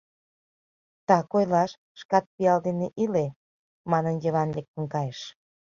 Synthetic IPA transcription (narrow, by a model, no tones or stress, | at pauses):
t̪ɑkojlɑʃ | ʃkɑt̪̚piɑld̪eneʔile | mɑnənjəβɑnlek̚t̪ə̆nkɑjeʃ